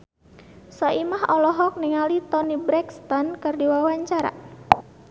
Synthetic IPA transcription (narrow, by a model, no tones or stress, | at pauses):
sɔʔimaɦɔlɔɦɔk̚niŋalit̪ɔnibɾɛkst̪ɔnkɨrdiwawaɲt͡ʃaɾa̰